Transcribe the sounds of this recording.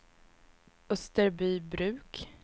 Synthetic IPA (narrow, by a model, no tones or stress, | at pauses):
ɵst̪əɾbyːbɾʉ̟ːk